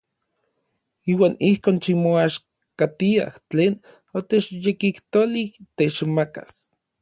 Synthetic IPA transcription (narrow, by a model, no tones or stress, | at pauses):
iːwaːnihkoːnʃimoaʃ | kat̪ia̰ht͡ɬeːn | ot̪et͡ʃjekiht̪oliht̪et͡ʃmaka̰s